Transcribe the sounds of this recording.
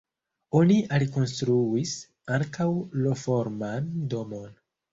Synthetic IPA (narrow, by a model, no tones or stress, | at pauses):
o̞niʔaliko̞nstɾuis | aŋkawlo̞fo̞ɾmando̞mo̞n